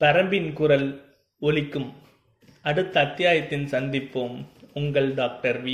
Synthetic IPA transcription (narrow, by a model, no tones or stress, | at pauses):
pɐɾɐmbɪnkʊɾɐl | ɔlɪkːɯm | ɐɽɯt̪ːɐːt̪ːɪjaːjɐt̪ːɪnsɐnd̪ɪpːoːmʊŋɡɐɭɖaːk̚ʈɐɾʋɪ